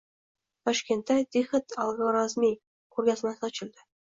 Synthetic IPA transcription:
t̪ɑʂkʲent̪ːɑd̪ʲixʲɘ̆t̪ɑlˠʁɤ̆ɾɑzmʲej | kurɡʲɑzmɑsɑt͡ɕɤ̆lʲd̪ɘ̆

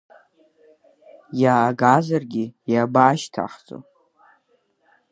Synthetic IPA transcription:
jaːɡazarɡʲijabaːʃtʰa̰χt͡sʼo̰

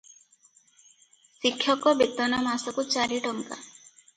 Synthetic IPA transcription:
sikʰːjɔkɔbet̪ːɔnamasɔkut͡ʃaɾiʈɔŋka̰

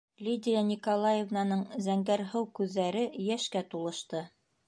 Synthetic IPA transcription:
lʲid̪ʲɪjanʲikolˠajevnɑnɤɴzæŋɡæɾɦɤwkʉðːæɾɘjæʃkæt̪ulˠɤ̆ʃt̪ɤ

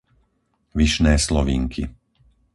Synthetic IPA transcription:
ʋiʃnɛːslɔʋiːŋkʰi

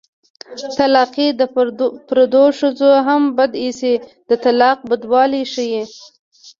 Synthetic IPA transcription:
t̪alaqid̪əpɾad̪oʂəzoɦambad̪isid̪̥ət̪alaq̚bəd̪wɑliʃəji

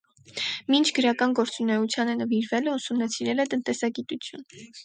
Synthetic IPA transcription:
mint͡ʃʰɡ̥əɾɑkɑnɡɔɾt͡sunɛut͡sʰjɑnənəviɾvɛləusumnɑt͡sʰiɾɛlɛt̪ənt̪ɛsɑɡit̪ut͡sʰjun

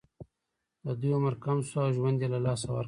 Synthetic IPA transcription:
d̪əd̪ujomaɾkamsawʒwand̪elalɑːs̬awa̰ɾ

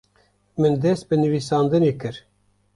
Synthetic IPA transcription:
mɨnd̪ɛst̪̚bɨnɨvisɑːnd̪ɨneːkɨɾ

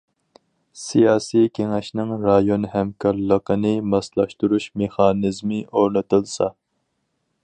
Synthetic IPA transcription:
sijɑːsijkʲʰeŋɛʃnɪŋɾɑjonhɛmkʰɑɾlˠəqʰənɨmɑslˠɑʃt̪uɾuʃmeχɑːnɨzmɨoɾnɨt̪ɨlˠsɑ

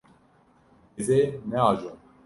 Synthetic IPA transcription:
ezenɛaːʒon

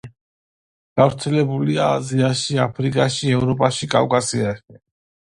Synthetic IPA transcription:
ɡ̥avɾt̪sʰɛlɛbuliaːziaʃiapʰɾikʼaʃiɛvɾɔpʼaʃikʼa̰vkʼasiaʃ

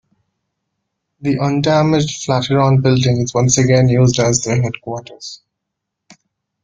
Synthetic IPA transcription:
d̪iʔʌ̃nɖæmɪd͡ʒɖflæʈəɾɔ̃ːnbɪlɖɪ̃ŋɪzʋʌ̃nsəɡɛ̃njuːzɖæzt̪ɾĩɦɛɖkwɔːʈəɾz̥

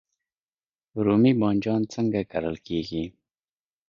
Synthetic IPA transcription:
ɾumibɑnʲd͡ʒɑnt͡səŋɡakaɾəlkeɡi

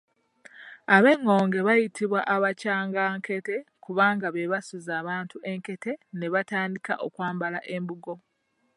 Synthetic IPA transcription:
aβe̞ŋːo̞ːŋɡe̞βajitʰiβwaʔaβacaːŋɡaŋkʰe̞te̞kuβaːŋɡaβeβasuzaːβaːntuʔe̞ŋke̞te̞ne̞βataːndika̰ʔokwaːmbalaʔe̞mbuɡo̞

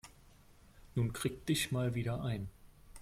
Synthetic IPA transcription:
nuːnkʁ̥iːk̚d̥ɪçmaːlviːɾɐʔaɪn

